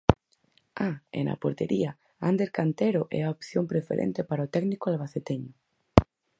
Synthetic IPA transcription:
aḛnɐ̰poɾt̪eɾia | and̪eɾkant̪eɾoʔɛ̰aopθjompɾefḛɾḛnt̪epaɾaot̪ɛɡnikoalβaθet̪eɲʊ

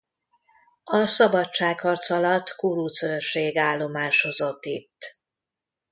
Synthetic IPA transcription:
ɒsɒbɒtt͡ʃaːkhɒrt̪sɒlɒt̪kuɾuːt̪sørʃeːɡaːlːo̞maːʃho̞zo̞t̪ːit̪ː

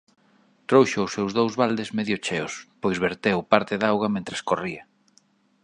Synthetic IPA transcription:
t̪ɾowʃʊʊsewzðowzβald̪ezmeðjʊt͡ʃeʊ̰spojzβeɾt̪ewpaɾt̪ɪðawɣɐmẽnt̪ɾɐskoriɐ

